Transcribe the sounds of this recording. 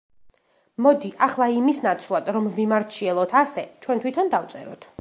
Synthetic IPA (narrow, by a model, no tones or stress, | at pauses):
mɔd̪iʔaχlˠaimisnat̪sʰvlˠad̪ɾɔmvimaɾt͡ʃʰiɛlˠɔt̪ʰasɛt͡ʃʰwɛnt̪ʰwit̪ʰɔnd̪aft̪sʼɛ̰ɾɔ̰t̪ʰ